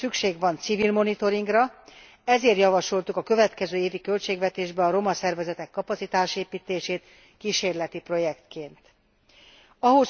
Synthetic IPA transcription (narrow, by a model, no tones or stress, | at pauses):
sykʃeːɡvɒnt̪sivilmo̞nit̪o̞ɾiŋɡrɒ | ɛzeːrt̪jɒvɒʃo̞lt̪ukɒkø̞vɛt̪kɛzøːeːvikø̞lt͡ʃeːɡvɛt̪eːʒbɛɒɾo̞mɒsɛrvɛzɛt̪ɛkːɒpɒt̪sit̪aːʃeːpiːt̪eːʃeːt̪ | kiʃeːrlɛt̪ipro̞jɛkt̪keːnt̪ | ɒɦo̞s